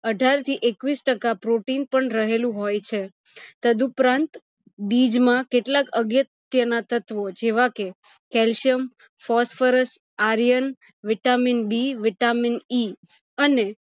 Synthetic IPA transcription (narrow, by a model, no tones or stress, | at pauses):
əɖʱaɾt̪ʰiʔekʋisʈəkapɾoʈinpəɳɾəɦelũɦojt͡ʃʰe | t̪əd̪upɾãnt̪ | bid͡ʒmãkeʈlakəɡjət̪ | jənat̪ət̪ʋod͡ʒeʋake | kɛlʃijəm | fɔsfəɾəs | aɾijən | ʋɪʈaminbiʋɪʈamini | əne